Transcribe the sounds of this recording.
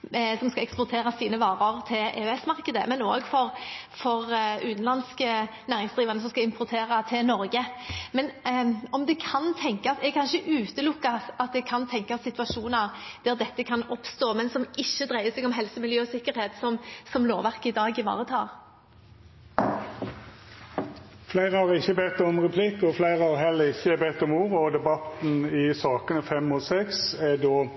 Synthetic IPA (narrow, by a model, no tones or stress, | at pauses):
sɔmskɑɛkspɔʁt̪ʰeːɾɑsiːnəʋɑːʁɑʁt̪ʰɪlḛːɛsmɑʁkəd̪ə̰mɛno̰ːɡfɔɾfɔʁʉ̰ːt̪n̩lɑnskənæːɾɪŋsd̪ʁiːʋɑnəs̬ɔmskɑɪmpʰʊɾt̪ʰeːʁɑt̪ʰɪlnɔɾɡəmɛnɔmd̪ɛkʰɑnt̪ʰɛŋkɑsɛɡkʰɑnʃəʔʉːt̪əlʊkːɑsɑt̪̚d̪ɛɡ̚kʰɑnt̪ʰɛŋkɑsɪt̪ʋɑʂuːnɑʁd̪̥æʁd̪ɛt̪ːəkʰɑnɔpst̪oːmɛnsɔmɪçːəd̪ʁæɪəsɛɡɔmɦɛlsəmɪljøːsɪkːəɾheːt̪sɔmsɔmloːʋæʁkəɪd̪ɑːɡɪʋɑ̰ːʁət̪ʰɑ̰ːʁ | flæɪʁəhɑɾɪçːəbɛt̪ːɔmʁɛpʰlɪkːɔflæɪʁəɑɦɛlːəɾɪçːəæbɛt̪ːɔmuːʁəɔd̪ɛbɑt̪n̩ɪsɑːkənəfɛmɔsɛksæd̪oː